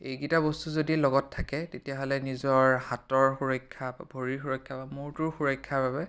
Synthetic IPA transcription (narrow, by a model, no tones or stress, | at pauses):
ejɡitabɔstuzodilɔɡɔtʰːakɛtetijaɦɔlɛnizɔɹhatɔɹxuɹɔjkʰːaba̰bʱoɹiɹxuɹɔjkʰːabamʊɹtʊɹxuɹɔjkʰːaɹbabɛ